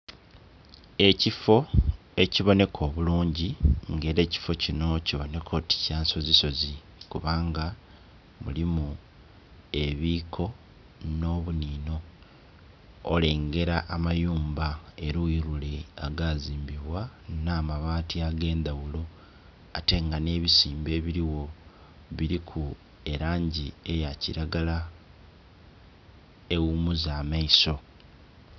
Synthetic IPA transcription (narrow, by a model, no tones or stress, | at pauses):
e̞cifo | e̞ciβo̞ne̞kʰo̞ːβuluːɲɟiŋɡe̞ːɾe̞ːci̥fo̞cino̞ciβo̞ne̞kʰo̞ti̥caːnso̞ziso̞zi | kuβaːŋɡa | mṵlimu | e̞βiːkʰo̞ | no̞ːβuniːno̞ | le̞ːŋɡe̞ɾaʔːmajuːmbae̞ɾuiɾuleaɡaziːmbiβwanaːmaβaːtiaɡe̞ːnd̪awulo̞ | ate̞ŋɡane̞ːβisiːmbe̞ːβiɾiwo̞ | βiɾikʰu | eɾaːɲɟie̞jaciɾaɡala | e̞wumuzaːmaiso̞